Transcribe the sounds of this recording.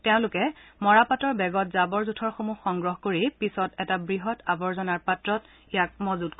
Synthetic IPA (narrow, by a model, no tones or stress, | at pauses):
teʊ̃lʊkɛmɔɹapatɔɹbɛɡɔtzabɔɹzutʰɔɹxomuxɔŋɡɹɔɦkoɹipisɔtɛtabɹiɦɔtabɔɹzɔnaɹpatɹɔt | ijak̚mɔzutk